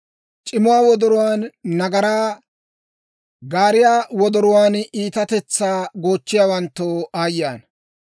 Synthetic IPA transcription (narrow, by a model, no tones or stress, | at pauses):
t͡ʃʼɪmʊwaːwɔd̪ɔɾʊwaːnːɐɡɐɾaː | ɡaːɾɪjaːwɔd̪ɔɾʊwaːniːt̪ɐt̪ɛt͡sːaːɡo̞ːt͡ʃːɪjaːwɐnt̪ːoːaːjːaːn